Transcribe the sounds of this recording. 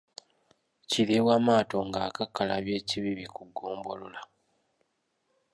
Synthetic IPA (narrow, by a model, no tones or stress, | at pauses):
ciɾewamaːto̞ŋɡaːkakːala̰βje̞ːciβiβikuɡːoːmbo̞lola